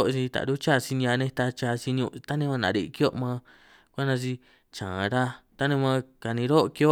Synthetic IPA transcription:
o˦ʔsi˧t̪a̰˨ɾu˦t͡ʃa˦˧˨si˧nĩ˧a˧nẽ˧t̪a˧t͡ʃa˧si˧ñ˧ũ˧t̪a˦nẽ˧mã˧nã̰˨˧ɾi˧ki˦o˦ʔmã˧ | kʷa˦nã˧t͡ʃ̬i˧ | t͡ʃãː˨ɾa˧t̪a˦nẽ˧mã˧ka˨nĩ˧ɾo˦ʔki˧o˦

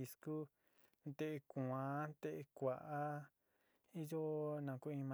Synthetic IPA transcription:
i˧sku˦ | t̪e˦ʔe˧ku˨ã˨t̪e˦ʔe˧kʷa˨ʔa˦ | i˦jo˦nã˨ku˦ĩ˧mã

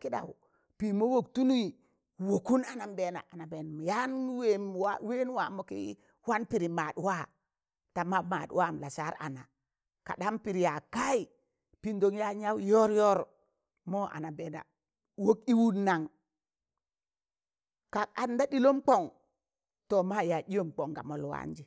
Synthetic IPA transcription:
ki˦ɗa̰˨wu˨ | pi˨mo˦wo˨ktu˦nu˦i˨ | wo˨ku˦na˨na˨mbe˨na̰˨ʔa˨na˨be˨n˨m˨ja˦nwe˦mwa˦we˦n˦wa˨mo˨kḭ˦ | wa˦npi˨ɾi˨ma˨dwa˦ | ta˨ma˦ma̰˨dwa˦˨m˨la˨sa˦ɾa̰˨na˨ | ka̰˨ɗa˦mpi˨ɾi˨ja˨ka˦i˨ | pi˦ndo˨ŋja˦ɲa˦wjo˦ɾjo˦ɾ | mo˦ʔa̰˨na˨be˨na̰˨ | wo˦ki˦wu˦nːa˨ŋ | ka˨a˨nda˦ɗi˦lo˦mk͡po˨ŋ | to˨ma˦ja˨i˦jo˦˨mk͡po˨ŋɡa̰˨mo˨lwa̰˦nd͡ʒi˨

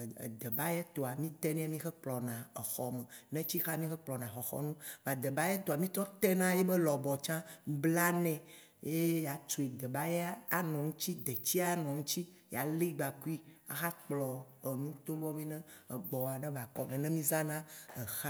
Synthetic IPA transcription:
d̪ɛ˨ba˦jɛ˦t̪o˨a˨mĩ˦t̪ɛ˦nɛ̃˦a˦mĩ˦xɛ˦k͡plɔ˨nã˨e˨xɔ˨mɛ˨nɛ̃˦t͡ɕi˦xa˦mĩ˦xɛ˦k͡plɔ˨nã˨xɔ˨xɔ̰˦nũ˦va˨d̪ɛ˨ba˦jɛ˦t̪o˨a˨mĩ˦t̪ɔ˦t̪ɛ˦nã˦jɛ˦be˦lɔ˨bɔ˨t͡ʃã˦bla˦nɛ̃˨ | je˦ja˨t͡ʃu˨e˨d̪ɛ˨ba˦je˦a˦a˨nɔ̃˨ŋũ˦t͡ɕi˦d̪ɛ˨t͡ɕi˦a˦nɔ̃˨ŋũ˦t͡ɕi˦ | ja˨li˦ɡ͡ba˨ku˦i˦a̰˨xa˦k͡plɔ˨e˨nũ˦t̪o˦bɔ˦mĩ˦nɛ̃˦˨ɡ͡bɔ˨a˨nɛ̃˦va˨kɔ˨nɛ̃˨nɛ̃˦mĩ˦za˦nã˦ɛ˨xa˦

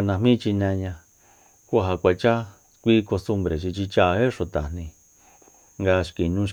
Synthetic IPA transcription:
nã˧mĩ˦˧t͡ʃi˧nẽ˧ɲã˧ | ku˦a˧ɦa˧kʷa˧t͡ʃa˦ | kʷi˦ko˧st̪u˧mbɾe˨t͡ʃi˧t͡ʃi˧t͡ʃa˦˧he˦ʂõ˧t̪a˨nĩ˧ | ŋɡa˧ʃki˨nũ˦˧ʃ

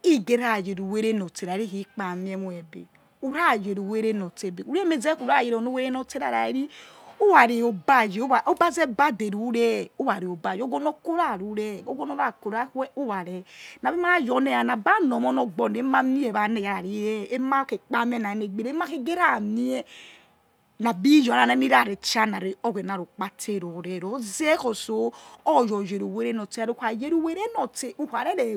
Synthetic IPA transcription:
i˦ɡe˦ɾa˦˨je˨ɾu˨we˦ɾe˦nɔ˨te˨ɾa˨ɾi˦hi˦k͡pa˨mi˦ɛ˦mu˦ɛ˨bḛ˨ | u˨ɾa˦˨je˨ɾu˨we˦ɾe˦no˨te˨be˨u˨ɾɛ˦me˨zɛ˦ku˨ɾa˦˨e˨ɾɔ˨no˦we˦ɾe˦nɔ˨te˦ɾa˨ɾa˨e˦ɾi˦ | o˦wa˨ɾi˨o˨ba˦˨d͡ʒi˨o˦a˨ʔo˦ba˦zɛ˦ba˦de˨ɾu˨˦ɾɛ˦o˦wa˨ɾi˨o˨ba˨d͡ʒi˨o˦ɡɔ˦no˦ko˦ɾa˦˨ɾu˨˦ɾɛ˦˨o˦ɡɔ˦no˦ɾa˦˨ko˨ɾa˦ɛ˦o˦wa˨ɾɛ˨na˨bi˦ma˦jɔ˨ne˦˨ja˨na˨ba˦nɔ˨mɔ˦nɔ˨ɡ͡bɔ˨ne˨˦ma˦mi˦e˨βa˨˦ne˨ja˨ɾa˨ɾi˨˦ɛ˦e˦ma˦ke˨k͡pa˦m˦e˦na˨e˨˦ne˨ɡ͡be˨ɾe˦m˦a˦ke˦ɡe˦ɾa˦˨mi˦ɛ˦ | na˨bi˦jɔ˨a˨ne˦mi˦ɾa˦˨ɾe˨t͡ʃa˦na˨ɾe˨o˦ɡe˨n˨a˨ɾo˨k͡pa˦tʰe˦˨ɾo˨ɾɛ˨ɾo˨˦zɛ˦ko˨so˨˦ɔ˦˨jɔ˨je˨ɾu˨we˦ɾe˦nɔ˨te˦˨ɾo˦kʷa˨je˦ɾu˨we˦ɾe˦nɔ˨te˨u˦ha˨ɾe˦ɾe˨

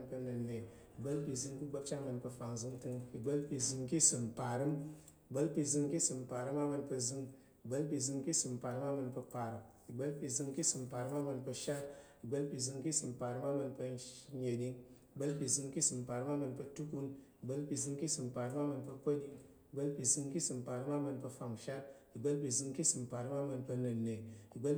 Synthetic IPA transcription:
npə˧nə˨ne˨ | i˨ɡ͡bə˦lpi˧zɨ˧ŋki˦ɡ͡bə˦p̚t͡ʃa˦mə˧npə˧fa˨ŋzɨ˧ŋtɨ˧ŋi˨ɡ͡bə˦lpi˧zɨ˧ŋki˦sɨ˨mpa˨ɾɨ˦m | i˨ɡ͡bə˦lpi˧zɨ˧ŋki˦sɨ˨mpa˨ɾɨ˦ma˦mə˧npə˧zɨ˧ŋ | i˨ɡ͡bə˦lpi˧zɨ˧ŋki˦sɨ˨mpa˨ɾɨ˦ma˦mə˧npə˧pa˨ɾɨ˨m | i˨ɡ͡bə˦lpi˧zɨ˧ŋki˦sɨ˨mpa˨ɾɨ˦ma˦mə˧npə˧ʃa˦t | i˨ɡ͡bə˦lpi˧zɨ˧ŋki˦sɨ˨mpa˨ɾɨ˧˦ma˦mɨ˧npə˧ɲe˨ɗi˧ŋi˨ɡ͡bə˦lpi˧zɨ˧ŋki˦sɨ˨mpa˨ɾma˦mɨ˧npə˧tu˦ku˧ni˨ɡ͡bə˦lpi˧zɨ˧ŋki˦sɨ˨mpa˨ɾɨ˧˦ma˦mɨ˧npə˧pə˦ɗi˧ŋ | i˨ɡ͡bə˦lpi˧zɨ˧ŋki˦sɨ˨mpa˨ɾɨ˧˦ma˦mɨ˧npə˧fa˨ŋʃa˦t̚ | i˨ɡ͡bə˦lpi˧zɨ˧ŋki˦sɨ˨mpa˨ɾɨ˧˦ma˦mɨ˧npə˧nɨ˨nːe˨i˨ɡ͡bə˦l

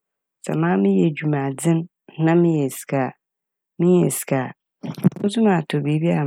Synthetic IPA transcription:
sa̰˨mãː˦mɪ̃˦jɛ˨d͡ʑu˨mã˨d͡zɪ̃˦n˦ | nã˦mɪ̃˦jɛ˨si̥˨ka˨ | mɪ̃˦jɛ˨si̥˨kʰa˨ | o˦sũ˦mã˨tʰɔ˨bi˨˦bi˦a˨

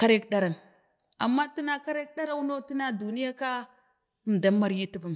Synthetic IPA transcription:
ka˦ɾe˦kɗa˦ɾa˨n | a̰˨mːa˦ti˦na˦ka˦ɾe˦k̚ɗa˦ɾa˦wu˦no˦ti˦na˦du˨ni˦ja˦ka˦ | m̩˨da˦mːa˦ɾji˦ti˦ba˨m

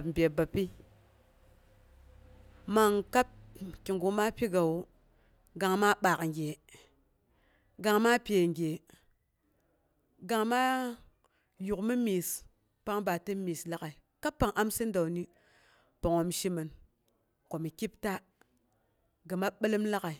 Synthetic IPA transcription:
pm̩˨bʲe˨ba˨pi˦ | ma˨ŋka˦p̚ki˨ŋɡu˨ma˦pi˦ɡa˨w | ɡa˨ŋma˦ɓa˨kŋɡʲe˨ | ɡa˨ŋma˦pʲe˨ŋɡʲe˨ | ɡa˨ŋma˦ | ju˨kmi˦mi˨s | pa˦ŋba˨tə˦mi˨sla˦ka˨i˨ka˦pːa˨ŋʔa˦msə˦n˦da˨wni˦ | pa˨ŋo˨mʃi˦mə˨n | ko˨mi˨ki˦pta˦ | ɡa˨ma˦ɓə˦lə˦mla˦ka˨i˨

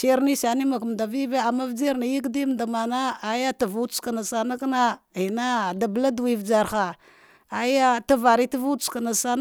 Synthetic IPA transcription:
se˦ɾni˦sa˨ni˦ma˨km˨da˨vi˦va˦a˨ma˦vd͡ʒe˦ɾna˨ji˦kdi˦m˨da˨ma˨na˦a˨ja˦ta˨vu̥˦ka˨na˨sa˨na˦ka˦na˦i˨na˦˨da˨bla˦du˨wi˨vd͡ʒa˨ɾxa˨ | a˨ja˦ta˦va˨ɾi˦ta˦vu̥˦ska˨na˨sa˦n

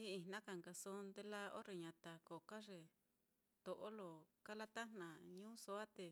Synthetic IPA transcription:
iː˦˨nã˦ka˧˨ŋɡa˧so˦nd̪e˧la˦o̰˦ɾe˧ɲã˨t̪a˨ko˨ka˦ʐe˨ | t̪o˨ʔo˦lo˨ka˦la˦t̪a˦n̥nã˨ɲũ˦so˦a˦t̪e˨

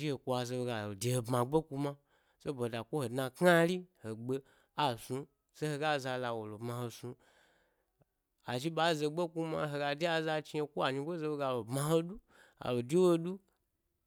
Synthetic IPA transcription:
i˦he˨kʷo˧˦a˧ze˧be˧ɡa˨lo˨de˨ho˨bmã˨ɡ͡be˦ku˧mã˦ | se˦bo˨da˨kʷo˦ho˨dnã˧kŋa˦li˦ho˨ɡ͡be˧ | a˨sũ˧ | se˦he˧ɡa˦˨za˧la˧wo˨lo˨bmã˧ho˧sũ˧ | a˨ʒi˦ɓa˨˦˨ze˧ɡ͡be˦ku˧ma˧ɦo˧ɡa˧di˦a˧za˧t͡ʃi˧e˧kʷo˦a˨ɲi˧ɡʷo˦ze˧be˧ɡa˧˨lo˨bmã˧ɦo˦du˦ | a̰˨lo˨di˦wo˧du˦

